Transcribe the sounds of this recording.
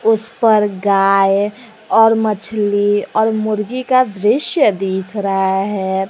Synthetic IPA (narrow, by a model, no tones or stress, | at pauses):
ʊspəɾɡaːj | ɔːɾmət͡ʃʰliɔːɾmʊɾɡikad̪ɾɪʃjəd̪eːkʰɾəɦaɦɛː